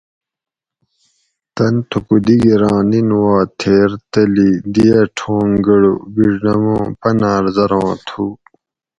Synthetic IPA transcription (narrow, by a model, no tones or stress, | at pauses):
t̪ɐnt̪ʰukud̪iɡiɾãːninwaːt̪ʰeːɾt̪ɐlid̪ijɐʈʰõːŋɡɐɽṵbiɖnɐmõːpɐnaːɾzɐɾõːt̪ʰuː